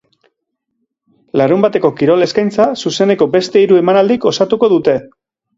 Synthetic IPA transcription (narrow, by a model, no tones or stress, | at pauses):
laɾumbat̪e̞ko̞kiɾo̞le̞skajnt͡sasuse̞ne̞ko̞be̞st̪e̞iɾue̞manald̪iko̞sat̪uko̞ðut̪e̞